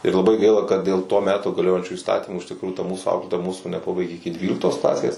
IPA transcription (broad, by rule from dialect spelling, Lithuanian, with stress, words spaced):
ɪr lˠɐˈbɐɪ ˈɡɐɪlˠɐ kɐt dʲeːlˠ toː ˈmʲæːtoː ɡɐˈlʲoːjɛnʲt͡ʃʲuː iːsˈtɑːtʲiːmuː ɪʃ tʲɪkˈruːjuː tɐ ˈmuːsuː ˈɐʊklʲeːtoːjɛ ˈmuːsuː nʲɛˈpɑːbɐɪɡʲeː ɪkʲɪ ˈdʲʋʲiːlʲɪktoːs ˈklˠɑːsʲeːs